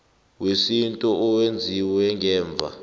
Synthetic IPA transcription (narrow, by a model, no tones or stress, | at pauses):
wesintʼɔɔwend͡zʱiwɛŋɛːɱb̪vʱa̰